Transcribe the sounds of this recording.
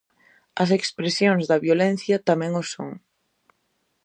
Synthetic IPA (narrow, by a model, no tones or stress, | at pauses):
ɐs̬ekspɾesjoŋzðɐβjolɛ̃n̟θjɐt̪amɛ̃ŋʊso̰ŋ